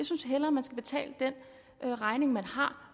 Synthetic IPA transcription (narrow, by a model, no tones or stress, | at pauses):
asynsɦel̰ɐmænsɡ̥æb̥e̝t͡sʰɛ̰ːləd̥en | ʔøʁɑ̈ɪne̝ŋmænhɑ̈